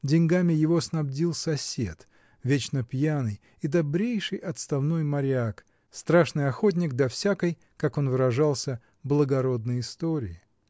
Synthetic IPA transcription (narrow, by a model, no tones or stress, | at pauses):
dʲɪnʲɡamʲɪjɪvo̞snɐbdʲilˠsɐsʲe̞t̪ | vʲet͡ɕnəpjanɨj | id̪ɐbɾʲejʂɨjʔɐt̪st̪ɐvno̞jmɐɾʲɪak | st̪ɾaʂnɨjɐxo̞t̬ʲnʲɪk̚d̪ɐfsʲakəj | kako̞nvɨɾɐʐalˠsʲə | blˠəɡɐɾo̞d̪nəjɪst̪o̞ɾʲɪɪ